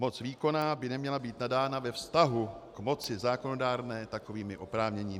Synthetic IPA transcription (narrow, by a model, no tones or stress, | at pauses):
mo̞t͡sviːko̞naːbɪnɛmɲɛlabiːt̪nadaːnavɛfst̪aɦukmo̞t͡sɪzaːko̞no̞daːɾnɛːt̪ako̞viːmɪʔo̞pɾaːvɲɛɲiː